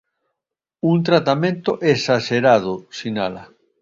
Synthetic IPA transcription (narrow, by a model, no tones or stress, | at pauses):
unt̪ɾat̪amẽnt̪oʔesaʃeɾað̞osinala̰